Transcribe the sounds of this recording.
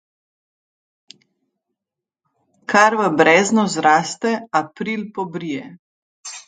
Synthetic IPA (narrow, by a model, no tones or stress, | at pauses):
kʰaɾʋəbɾɛːznɔzɾaːst̪ɛapɾiːlpɔbɾijɛ